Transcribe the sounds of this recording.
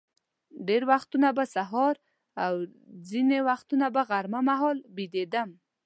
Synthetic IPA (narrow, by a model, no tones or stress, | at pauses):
ɖeɾwaxt̪unabasaɦɔɾ | awzinewaxt̪unabaɣaɾmamaɦɔlbid̪ed̪əm